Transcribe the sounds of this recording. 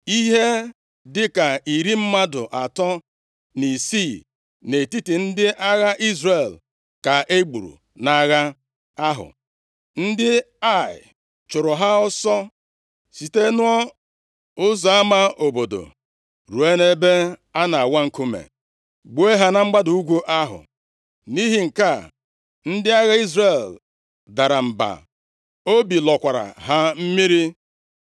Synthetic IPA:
i˦ɦe˦ | dɪ˦ka˨i˨ɾi˦m̩˦ma˦dʊ̰˨ʔa˨tɔ˦ | ni˨si˦˨ | ne˨ti˦ti˨n̩˦dɪ˦ʔa˦ɣa˦ʔi˦zre˨l | ka˨ʔe˦ɡ͡bṵ˨ɾṵ˨ | na˨ɣa˦ | a˦ɦʊ̰˨ | n̩˦dɪ˦ | a˦˨ɪ̰˨ | t͡ʃʊ˨ɾʊ˨ɦa˦ɔ˦sɔ˦ | si˨te˦nʊ˦ɔ˦ | ʊ˦zɔ˨a˦ma˦o˨bo˨do̰˨ | ɾu˨e˦ne˦be˦a˦na˨a˨wa˦ŋ̩˨ku˦mḛ˨ | ɡ͡bo˨˦e˦ɦa˦na˦ŋ͡m̩˦ɡ͡ba˦du˨u˦ɡʷu˦ʔa˦ɦʊ̰˨ | ni˦ɦi˨ŋ̩˨ka˦˨ | n̩˦dɪ˦a˦ɣa˦i˦zɾe˨l | da˨ɾa˨m̩˨ba̰˨ | o˦bi˨lɔ˨kʷa˨ɾa̰˨ɦa˦m̩˦mi˦ɾi˦

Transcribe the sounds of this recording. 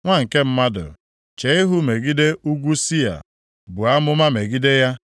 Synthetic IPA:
ŋʷa˦ŋ̩˨ke˦m̩˦ma˦dʊ̰˨ | t͡ʃe˨˦ɪ˦ɦʊ˦me˨ɡi˦de˦u˦ɡʷu˦si˦ja̰˨ | bʊ˨a˦mʊ˦ma˦me˨ɡi˦de˦ja˦

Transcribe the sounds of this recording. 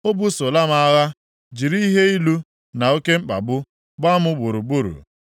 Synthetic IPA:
o˦bu˦so˨la˦ma˦˨a˦ɣa˦ | d͡ʒi˨ɾi˦i˦ɦe˦i˦lu˦ | na˨o˦ke˦ŋ͡m̩˦k͡pa̰˨bʊ˦ | ɡ͡ba˦mʊ˦bu˨ɾu˨bu˦ɾṵ˨

